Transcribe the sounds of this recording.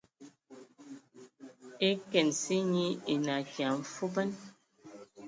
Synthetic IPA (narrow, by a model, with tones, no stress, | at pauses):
e˦kɛ˨nsi˦ɲi˦e˨na˨kja˨m̩˨fu˦bə˦n